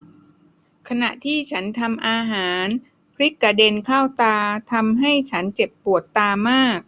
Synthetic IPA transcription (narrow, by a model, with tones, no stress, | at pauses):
kʰa˧na˨˩ʔt̪ʰiː˥˩t͡ɕʰa˦˥nt̪ʰa˧mʔaː˧ɦaː˩˦n | pʰɾi˦˥kːa˧˩de˧nkʰaː˥˩wt̪aː˧t̪ʰa˧mɦa˥˩jt͡ɕʰa˦˥nt͡ɕe˨˩pːu˨˩ət̪ːaː˧maː˥˩k̚